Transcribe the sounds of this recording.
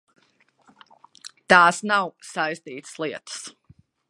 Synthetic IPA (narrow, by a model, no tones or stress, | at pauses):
t̪aːsnawsajst̪iːt̪ɨ̥slˠiɛt̪ə̥s